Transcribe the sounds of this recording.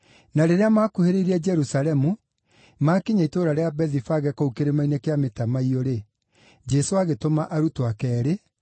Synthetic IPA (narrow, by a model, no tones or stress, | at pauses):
naɾeɾeamaːkuheɾeiɾɛd͡ʒɛɾusalɛmu | makeɲaitoɾaɾeabɛðifaɣɛkoukeɾemainekeametamaiɔɾe | d͡ʒɛsoaɣetomaʔaɾutoakɛːɾe